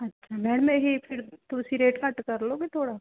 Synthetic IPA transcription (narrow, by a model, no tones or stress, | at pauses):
ɐtːʃʰamɛːɽmẽɦipʰɪɾt̪ʊsiɾeːʈkɐʈkɐɾloːɡet̪ʰoːɽa